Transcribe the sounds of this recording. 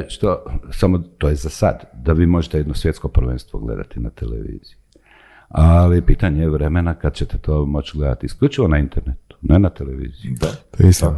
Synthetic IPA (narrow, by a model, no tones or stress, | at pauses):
ʃt̪osamot̪oːjezasa̰d̪d̪aʋiːmo̞ʒet̪ejed̪no̞sʋje̞t̪sko̞pɾ̩ʋḛnst̪ʋoɡlḛd̪a̰t̪ina̰t̪elḛʋḭːz̥iji | alipiːt̪aɲeeʋɾemenakad̪t͡ɕet̪et̪ʰoːmo̞t͡ʃɡled̪a̰t̪iskʎut͡ʃiʋo̞naint̪eɾnet̪u̥nenat̪eleʋḭːzijios